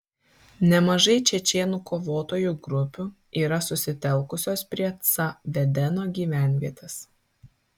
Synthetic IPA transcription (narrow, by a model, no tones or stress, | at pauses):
nʲɛmɐʒɐɪt͡ʃʲɛt͡ʃʲeːnuːkoːʋoːt̪oːjuːɡɾʊpʲu | iːɾɐsʊsʲɪt̪ʲɛlˠˑkʊsʲoːspʲɾʲiɛt̪sɐʋʲɛd̪ʲɛnoːɡʲiːʋʲæˑnʲʋʲiɛt̪ʲɛs